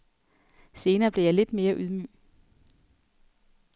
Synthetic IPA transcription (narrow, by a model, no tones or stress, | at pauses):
se̝ːnɐːb̥le̝jɑɪle̝d̥me̝ːɐʔyð̞ˠmy̰ː